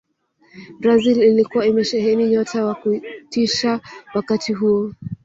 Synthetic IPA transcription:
bɾazililikuwaimɛʃɛɦɛniɲɔtawakutiʃawakatiɦuɔ

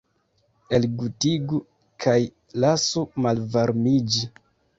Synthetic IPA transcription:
e̞lɡutiɡu | kʰaj | lasumalvaɾmid͡ʒi

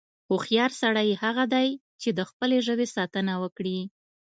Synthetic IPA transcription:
ʊxjɑɾsaɽajhaɣad̪aj | t͡ʃed̪əxpəleʒəwesɑt̪ənawəkɽi

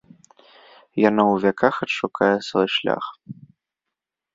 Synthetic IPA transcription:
janawvʲakʰaxɐtʂukajɛsvɔjʂlʲa̰x

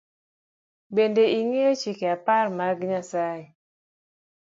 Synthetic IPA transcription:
bendeiŋeot͡ʃikeapaɾmaɾɡɲasae

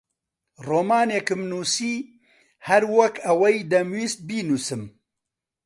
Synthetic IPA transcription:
roːmaːneːkɨmnuːsiː | hɐɾwɐkʰɐwɐjd̪ɐmwiːst̪̚biːnuːsɨm

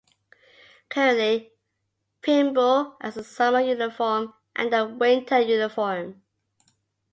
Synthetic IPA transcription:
kʰɛli | pʰɪ̃mbɔʔɪzəsʌməjʉnɪfɔm | ʔə̰̃nðəwɪ̃ntʰəjʉnɪfɔɹm

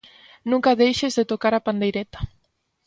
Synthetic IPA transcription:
nũŋkaðejʃezðet̪okaɾapand̪ejɾet̪ḁ

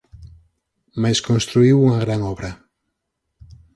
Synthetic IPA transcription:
majskõnst̪ɾuiwuŋɐɣ̞ɾaŋɔβɾɐ

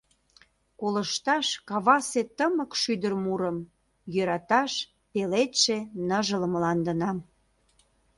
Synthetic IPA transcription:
kolə̆ʃt̪ɑʃkɑβɑset̪əməkʃyd̪ərmuɾəm | jøɾɑt̪ɑʃ | pelet̪ʃenəʒələmlɑnd̪ə̆nɑm

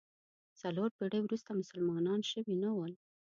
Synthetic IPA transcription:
t͡saloɾpiɽəwɾust̪amʊsəlmɑnɑnʃəwinawəl

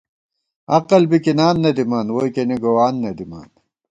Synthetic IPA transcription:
ɐqɐlbikinaːnːɐd̪imɐnwojkeniɡowaːnːɐd̪ima̰ːn

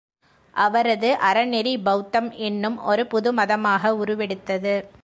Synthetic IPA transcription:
ʔɐʋɐɾɐðɯʔɐɾɐnɛɾibɐʊt̪ːɐmɛnːɯmɔɾɯpʊðɯmɐðɐmaːɣɐʊɾɯʋɛɽɯt̪ːɐðɯ

